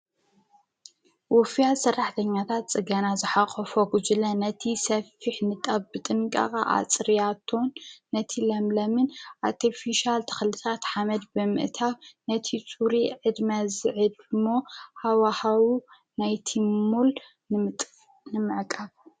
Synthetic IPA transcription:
wɔfijasɐrːaħt̪ʰɐɲːat̪ʰat̪̚t͡sʼɨɡanazɨħaxʼɐfoɡud͡ʒɨlɐnɐt̪ʰisɐfiħnɨt̪ʼaβbɨt̪ʼɨŋkʼɐ̰kʼa̰ʔa̰t͡sʼɾjat̪ʰːo̞nːɐt̪ʰilɐmlɐmɨnʔaɾt̪ʰifiʃalt̪ʰɐ̥xlɨt̪ʰat̪ħamɐd̪bɨmɨ̰ʔt̪ʰawnɐt̪ʰit͡sʼuɾiʕɨd̪mɐzɨʕɨd̪mohawahawu | najt̪ʰimul | nɨmɨʕkʼaβ

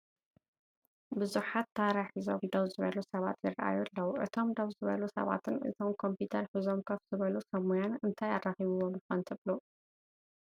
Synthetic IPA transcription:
bɨzuħat̪ʰːaɾaħizo̞̰md̪owzɨβɐlusɐβa̰t̪jɪɾɐʔa̰julːɐwʔɨ̰t̪ʰo̞md̪owzɨβɐlusɐ̰βa̰t̪ʰɨnʔɨ̰t̪ʰo̞mkʰo̞mput̪ʰɐɾħɨzo̞mkʰɐfz̥ɨβɐlusɐmujanɨnt̪ʰajarːaxiβuwomjɨxɐnt̪ʰɨβlu

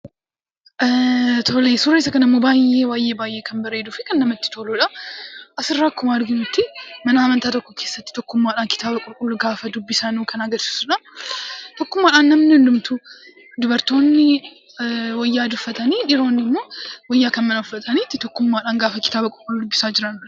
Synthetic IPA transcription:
t̪ʰoːlesʊɾeːs̬ɐkɐnɐɪmːo̞ːbaːje̞ːwaːjʔe̞ːbaːjʔe̞ːkɐnbɐɾe̞ːd̪uːfɛkɐnːɐmɐt̪ːɪ̥t̪ʰoːluːᶑɐʔɐsɪrːaːkːʊmaːɾɡɪnut̪ːɪmɐnɐːmɐnt̪aːt̪ɔkːɔkʰe̞ːsːɐ̥t̪ːɪt̪ɔkːʊmːaːᶑaːnkɪ̥t̪ʰaːbɐkʼʊɾkʼʊlːʊɡaːfɐd̪ʊbːɪsɐnuːkʰɐnɐɡɐsu̥ːsʊᶑɐ | t̪ɔkːʊmːaːᶑaːnːɐmnɪhʊnd̪ʊmt̪u | d̪ʊbɐɾt̪o̞ːnːɪ | wɔjːaːd̪ʊfːɐt̪ɐniːᶑɪɾo̞ːnːɪmːo̞ːwɔjːaːkɐnmɐnʊfːɐt̪ʰʼɐniːt̪ːɪt̪ɔkːʊmːaːᶑaːnɡaːfɐkɪ̥t̪aːbɐkʼʊɾkʼʊlːud̪ʊbːɪsaːd͡ʒɪɾɐn

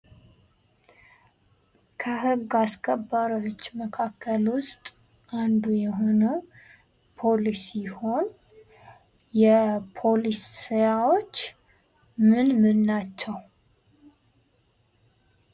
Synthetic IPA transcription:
kʰəɦɨɡːaskʰʼəbːaɾiwot͡ʃːməkʰakʰːəlwʊst̪ʼ | ʔand̪ujɛɦo̞nə | pʰo̞lisiho̞n | jɛpʰo̞lisːɨjawo̞t͡ʃː | mɨnmɨnːat͡ʃːɛw

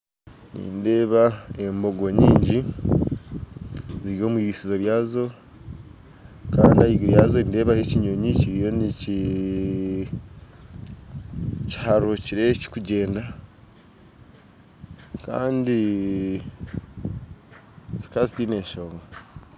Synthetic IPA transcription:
nḭːnde̞ːβaembo̞ɡo̞ɲiːɲɟi | ziɾio̞ːmwiːɡisizo̞ɾjaːzo̞ | kaːndiaiɡiɾjaːzoninde̞ːβaheciɲo̞ɲiciɾijo̞nici | ci̥haɾociɾe̞ci̥kuɟe̞ːnda | ka̰ːndi | zi̥kazitine̞ːʃoŋa

